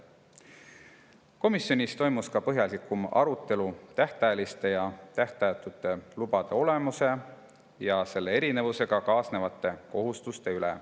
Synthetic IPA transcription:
ko̞misjo̞nʲist̪o̞jmuskɑpɤɦjɑlikˑumɑ̰ɾut̪ːˑe̞lut̪æht̪ɑelist̪e̞jɑt̪æht̪ɑjt̪ːˑut̪ːˑe̞lub̥ɑd̪̥e̞o̞le̞muse̞ | jɑse̞lːe̞e̞ɾine̞vuse̞ɡ̥ɑkɑːsne̞vɑt̪ːˑe̞ko̞ɦust̪ust̪e̞ylḛ

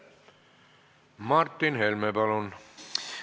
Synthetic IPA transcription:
mɑrt̪ːinhelmepælon

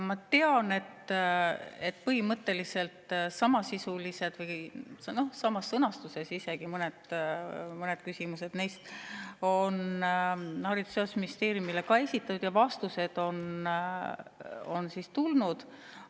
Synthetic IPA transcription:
mɑt̪e̞ɑne̞t̪ː | et̪ːˑpɤɦimɤt̪ːe̞lise̞lt̪sɑmɑsisulise̞d̪̥vɤjno̞hsɑmɑsːɤnɑst̪use̞sise̞ɡ̥imɤned̪̥ | mɤned̪̥kysimuse̞d̪̥nejst̪o̞n | hɑɾid̪̥useosminist̪e̞ːɾjumilekɑe̞sʲit̪ːˑɑt̪ːud̪̥jɑvɑst̪use̞d̪̥o̞n | onsist̪ulnud̪̥

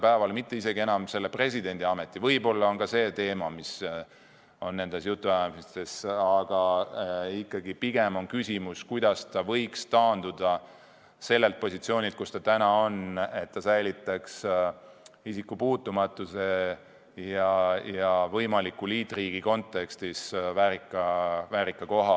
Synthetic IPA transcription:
pæevɑlmit̪ːe̞ise̞ɡie̞nɑmse̞lːepre̞s̬ʲid̪̥e̞nd̪iɑme̞t̪ːˑivɤjbo̞lːɑo̞nkɑse̞ːt̪e̞ːmɑmis | o̞nːe̞nd̪̥e̞sjut̪ːuæmist̪e̞sɑɡ̥ɑ | ikːɑɡipiɡ̥e̞mo̞nkysʲimuskujd̪̥ɑst̪ɑvɤjkst̪ɑːnd̪̥ud̪̥ɑ | se̞lːe̞lt̪̚po̞sit̪sio̞ːnʲilt̪̚kust̪ɑt̪ænɑo̞ne̞t̪ːɑsæjlit̪ːˑɑks | isikːupuːt̪ːˑumɑt̪ːˑuse̞ | jɑjɑvɤjmɑlikːˑuliːt̪ːˑriːɡ̥iko̞nt̪ˑːe̞kst̪isvæːɾikːɑvæːɾikːˑɑko̞ɦɑ

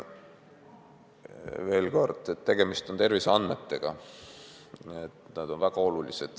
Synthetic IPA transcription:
ve̞ːlko̞rd̪̥et̪ːe̞ɡ̥e̞mist̪o̞nt̪e̞rviseɑnd̪met̪ːe̞ɡ̥ɑ | et̪nɑd̪o̞nvæɡ̥ɑo̞lulise̞d̪̥

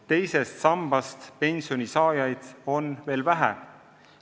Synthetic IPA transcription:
t̪e̞jse̞st̪sɑmb̥ɑst̪pe̞nʲsionʲisɑːjɑjd̪̥o̞nve̞ːlvæɦæ̰

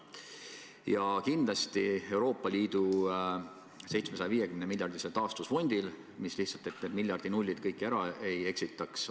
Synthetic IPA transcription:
jɑkind̪lɑst̪ie̞wɾo̞ːpːˑɑlʲiːd̪̥u | se̞jt̪smesɑjɑviːje̞kymnemilʲjɑrd̪̥iselt̪ɑːst̪usfo̞nʲd̪̥il | misliht̪sɑlt̪et̪ned̪̚milʲjɑrd̪̥inulʲːid̪̥kɤjkːˑæɾɑe̞je̞ksit̪ːˑɑks

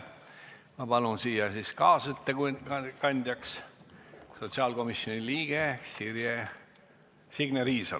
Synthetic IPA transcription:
mɑbɑlunsiːjɑsiskɑːsyt̪ːeɡukɑnʲd̪̥ʲjɑks | so̞t̪siɑːlɡo̞misjo̞niliːɡ̥esirje | siɡ̥neɾiːsɑ̰l

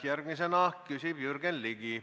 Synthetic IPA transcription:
jærɡ̥mis̬enɑkysib̥jyrɡ̥enliɡi

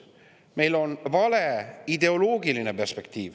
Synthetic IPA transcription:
me̞jlo̞nvɑle̞id̪e̞o̞loːɡiline̞pe̞rspe̞k̚t̪iːv

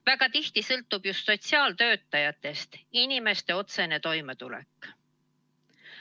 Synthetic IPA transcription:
væɡ̥ɑt̪iht̪isɤlt̪ːˑub̥just̪so̞tsiɑːlt̪ø̞ːt̪ːˑɑjɑt̪ːˑe̞st̪inime̞st̪e̞o̞t̪se̞ne̞t̪o̞jme̞t̪ulḛkːˑ

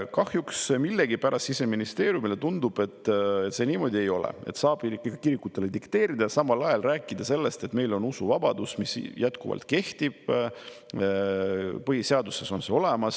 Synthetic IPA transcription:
kɑhjuksmilːe̞ɡipæɾʔɑsise̞minist̪e̞ːɾjumile̞t̪und̪ub̥e̞t̪ːet̪se̞niːmo̞d̪ie̞jo̞lḛe̞̰t̪sɑːb̥iɑkiɾikːut̪ːˑele̞d̪ikt̪e̞ːɾid̪̥ɑjsɑmɑlɑjɑlræːkˑːid̪̥ɑse̞lːe̞st̪e̞t̪ːme̞jlo̞nusuvɑb̥ɑd̪̥usmisjæt̪kuvɑ̰lt̪ˑke̞ht̪ib̥ | pɤhiseɑd̪use̞so̞nse̞o̞le̞mɑs

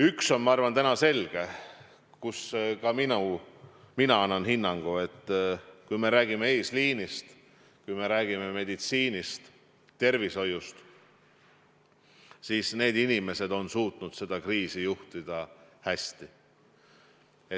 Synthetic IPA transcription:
ykso̞nmɑɑrvɑnt̪ænɑse̞lɡ̥e | kuskɑminu | minɑɑnːɑnhinːɑŋɡ̥ue̞t̪ːkujme̞ɾæːɡ̥imeeːsliːnist̪ | kujme̞ɾæːɡ̥ime̞me̞d̪it̪siːnist̪ | t̪ːe̞rviso̞just̪ | siːsne̞ːd̪inime̞se̞d̪o̞nsuːt̪nud̪̥se̞d̪̥ɑkriːsijuht̪id̪̥ɑhæsʲt̪i | e

